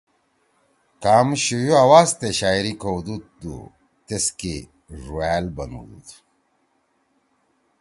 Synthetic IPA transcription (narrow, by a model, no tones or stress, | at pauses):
kaːmɕujuawaːzt̪eɕaːiɾikʰowd̪ut̪̚d̪ṵ | t̪eski | ʐuæːlbɐnṵd̪ṵt̪